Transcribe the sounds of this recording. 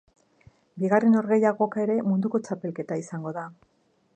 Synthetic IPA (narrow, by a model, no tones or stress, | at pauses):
biɣareno̞ɾɣe̞jaɣo̞kae̞ɾe̞mund̪uko̞t͡ʃape̞lke̞t̪aisaŋɡo̞ða